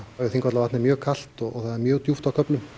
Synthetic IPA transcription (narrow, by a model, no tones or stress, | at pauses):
jʏθiŋkvat̪lavaht̪nɪmjœːɣkʰal̥t̪ɔɔɣθaðɛɾmjœːɣt̪juft̪awkʰœplʏm